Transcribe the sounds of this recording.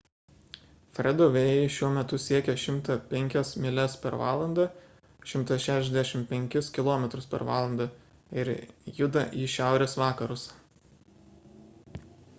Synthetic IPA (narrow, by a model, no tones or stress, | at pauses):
fʲɾʲɛd̪oːʋʲejɪʃʲuɔmʲɛt̪ʊsʲiɛkʲɛʃʲɪmˑt̪ɐpʲɛŋʲkʲɛsmʲɪlʲɛspʲɛɾʋɑ̰ːlˠɐnd̪ɐ | ʃʲɪmˑt̪ɐsʃʲæːʃʲɛzʲd̪ʲæʃʲɪmpʲɛŋʲkʲɪskʲɪlˠɔːmʲɛt̪ɾʊspʲɛ̰ɾʋɑ̰ːlˠɐnd̪ɐ | ɪɾjʊd̪ɐʔiːʃʲæˑʊɾʲeːsʋɑːkɐɾʊs